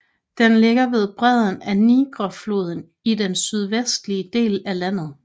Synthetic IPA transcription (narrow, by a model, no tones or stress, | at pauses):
d̥enleɡ̥ɐʋe̝ð̞ˠb̥ʁɛð̞̰ˠn̩æniɡ̥ʁɐflo̝ːð̞ˠən̩ | idensyð̞ˠʋesd̥liəd̥e̝̰ːlælæn̰ð̞̩ˠ